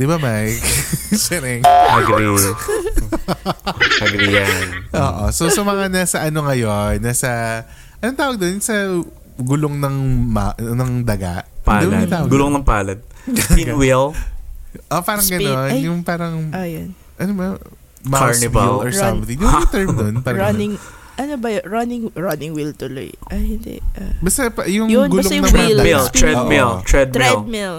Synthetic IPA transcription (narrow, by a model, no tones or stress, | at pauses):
d̪ɪbamajkt͡ʃɛɾɛŋʔɐɡɾi | ʔɐɡɾijɐnʔo̰ːʔo̰sowsɐmɐŋanaːsɐʔɐno̞ŋɐjo̞nːaːsɐ | ʔɐnoŋt̪aːwɐɡ̚d̪onsɐ | ɡʊloŋnɐŋma̰ʔnɐŋd̪ɐɡa̰ʔpaːd̪ɛɐt̪aːwɐɡʊloŋnɐŋpaːlɐd̪̚inɡ̪wil | ʔopaːɾɐŋɡɐnonjʊŋpaːɾɐŋojn | ʔɐnobɐ | makaɹnɪblɔɹsɐmθɪŋjʊt̪ɛɹmd̪onpaːɾɐɐnɪŋʔɐnobɐɹɐnɪŋɹɐnɪŋwilt̪ʊlo̰jʔɐhɪnd̪ɛ̰abɐst̪ɐpɐjʊŋɡʊloŋnɐŋpallɹɛoʔmilt̪ɹɛd̪̚mɛl̚mil